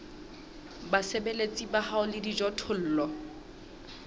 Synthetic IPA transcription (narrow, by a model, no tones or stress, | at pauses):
basebelet͡sʼibahaʊlɪdid͡ʒɔtʰʊl̩ːlɔ